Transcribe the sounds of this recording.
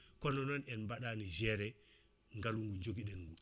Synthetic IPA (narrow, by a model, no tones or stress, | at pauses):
kɔnɔnɔnɛnmbaɗanid͡ʒɛɾɛ | ŋɡaluŋɡuɲd͡ʒoɡiɗɛnɡu